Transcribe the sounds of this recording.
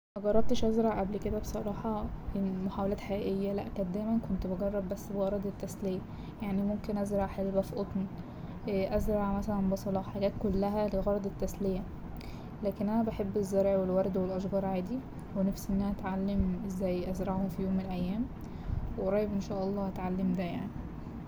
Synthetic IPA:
ʔæɡɑrˤːɑb̚t̪eʃʔæzɾˤɑʕʔæblked̪æbesˤɑɾˤɑːħɑimoħawælæːt̪ħaʔæʔejːælæ̰ʔkæt̪̚d̪æːjmænkont̪beɡɑrˤːɑbːæsːbeɣɑɾˤɑd̪ˤet̪ːæslejæ | jaʕnimomkenʔæzɾˤɑʕħelbæfiʔot̪ˤn | ʔʔæzɾˤɑʕmæsælænbɑsˤɑlɑħaɡæːt̪kolːæɦæleɣɑɾˤɑd̪ˤet̪ːæslejæ | læːkenʔænæbaħebːezːæɾˤʕwelwɑɾˤd̪welʔɑʃɡɑːɾˤʕaːd̪i | wenæfsiʔenːæhæʔæt̪ʕalːemezːæjːʔæzɾˤɑʕhomfijoːmːenlʔæjːæːm | wʔɾˤɑːjebʔenʃæːʔɑlˤːɑːʔæt̪ʕalːemd̪æjaʕni

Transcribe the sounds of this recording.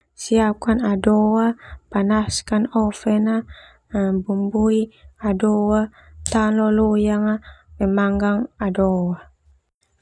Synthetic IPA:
siap̚kanadowapanaskanɔfɛna | bumbuiadowa | t̪alɔlojaŋapɛmaŋɡaŋadowa

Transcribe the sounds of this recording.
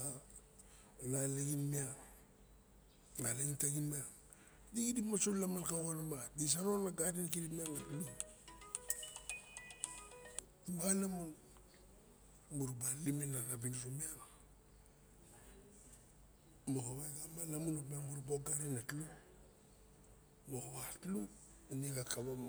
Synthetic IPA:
a | laleɡinmia | naleɡintaɡinmia | diɡidipmasolamalkaɣonamadis̬aɾonaɡaɾenkiɾimiaŋatlu | balamun | muɾubalimenalabinɾomiaŋa | mohoβaɡamalamunopmabuɾboɡaɾenatlu | mohoβatlu | aniɡakabam

